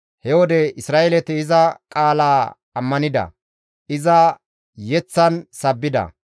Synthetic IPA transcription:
hɛwɔd̪ɛɪsɾaːʔelɛt̪ɪːzɐkʼaːlaː | ɐmːɐnɪd̪ɐ̰ | ʔɪzɐ | jɛt͡sːɐnsɐbːɪd̪ɐ̰

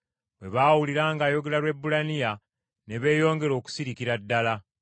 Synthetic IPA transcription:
bwe̞βaːwuliɾaːŋɡaːjo̞ɡe̞ɾalwe̞bːulanija | ne̞βe̞ːjo̞ːŋɡe̞ɾo̞ːku̥siɾikiɾadːala

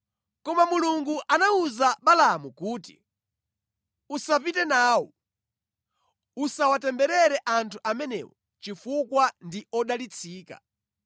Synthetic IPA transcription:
kɔmamuluŋɡuʔanauzaɓalamukuːtḭ | usapitɛnaːwɔ | usawatɛmbɛɾɛɾɛʔantʰuʔamɛnɛ̰ːwɔ | t͡ʃifukwandiɔɗalit͡sʰiːka̰

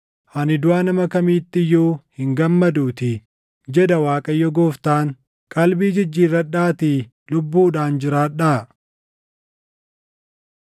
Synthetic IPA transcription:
ʔɐnɪd̪ʊaːnɐmɐkɐmiːt̪ːɪjːoːhɪŋɡɐmːɐd̪uːt̪ɪ | d͡ʒɛd̪ɐwaːkʼɐjːɔɡoːft̪aːŋ | kʼɐlbiːd͡ʒɪd͡ʒːiːrːɐᶑaːt̪i | lʊbːuːᶑaːnd͡ʒɪɾaːᶑaː

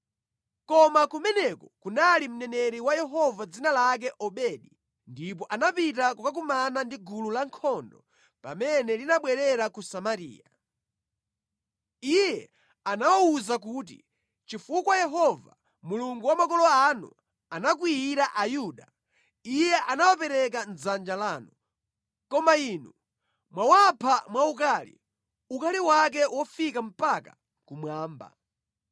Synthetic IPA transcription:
kɔmakumɛnɛkɔkunalim̩nɛnɛɾiwajɛɦɔvad͡zinalak̬ɛʔɔɓɛɗi | ndip̬ɔʔanapitakɔkak̬umanandiɡululaŋkʰɔndɔ | pa̰mɛnɛlinaɓwɛɾɛɾakusamaɾḭːja | ijɛ | anawɔuzak̬uːt̬ḭ | t͡ʃifukwajɛɦɔva | muluŋɡuwamakɔlɔanṵ | anak̬wiiɾaʔajuːɗa | ijɛʔanawapɛɾɛk̬anzand͡ʒalaːnu | kɔmaiːnu | mwawapʰamwauk̬aːlḭ | ukaliwak̬ɛwʔɔfikam̩paka | kumwaːmba̰

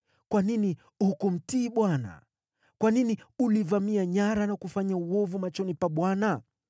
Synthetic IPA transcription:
kwanini | hukum̩tiːɓwana̰ | kwaniniulivamiaɲaɾanakufaɲauɔvumat͡ʃɔnipaɓwana

